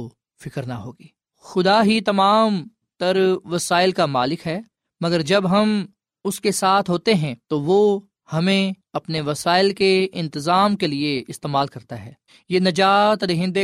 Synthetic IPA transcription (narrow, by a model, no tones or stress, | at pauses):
fɪkəɾnaɦoːɡiː | xʊd̪aɦit̪ɐmaːm | t̪ɐɾʋɐsaːɪlkamaːlɪkɦɛː | mɐɡəɾd͡ʒɐbɦɐm | ʊskesaːt̪ʰɦoːt̪eɦɛ̃t̪oʋo | hɐmẽɐpneʋɐsaːɪlkeɪ̃nt̪ɪzaːmkelieɪst̪eːmaːlkɐɾt̪aɦɛː | jeːnɐd͡ʒaːt̪ɾeɦɪ̃nd̪e